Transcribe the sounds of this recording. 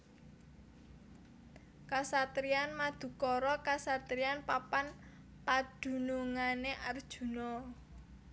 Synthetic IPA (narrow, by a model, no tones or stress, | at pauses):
kasat̪ɾianmad̪̥ṳkɔɾɔkasat̪ɾianpapan | pad̪̥ṳnuŋaneʔard̥ʒ̥ṳnɔ